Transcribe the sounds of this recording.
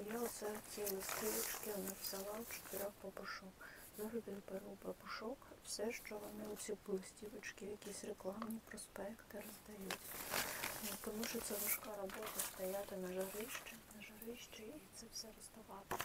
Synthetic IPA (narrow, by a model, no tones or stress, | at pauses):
jaʊsɛt͡sʲilˠɪsʲtʲiʋɪt͡ʃkɪɔnaʋz̥ʲɐlˠɑwt͡ʃɪ̥t̪ɪɾʲɔxpɐpʊʃɔkzɪɾɔbʲilpeɾupɐpʊʃɔkwsɛʃt͡ʃɔɦɔnɪʊsʲipɪlˠɪsʲtʲiʋɪt͡ʃkɪjɐkʲisʲreklˠɑmnʲipɾɔspɛkt̪ɪrɔzd̪ɐjutʲ | t̪ɔmuʃt͡ʃɔt̪sʲanʊʃkɑɾɔbɔt̪ɐst̪ɐjat̪ɪnɐʒɐɾɪʃt͡ʃɪnɐʒɐɾɪʃt͡ʃɪitt̪sɛwsɛɾɔst̪ɐʋɑt̪ɪ